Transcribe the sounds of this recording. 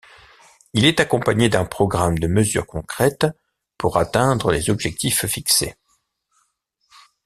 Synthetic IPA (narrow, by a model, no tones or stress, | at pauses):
ilɛt̪akɔ̃paɲed̪ɛ̃pχɔɡʁamd̪əməzy̰ʁkɔ̃kχɛt̪ | puʁat̪ɛ̃d̪ʁəlezɔbʒɛk̚t̪iffiksḛ